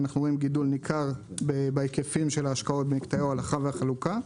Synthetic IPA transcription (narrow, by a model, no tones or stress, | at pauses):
naχnuʁo̞imɡidulnikʰaʁbebejkefimʃe̞laːʃkao̞t̚bemikt̪ajawalaχaveaχaluka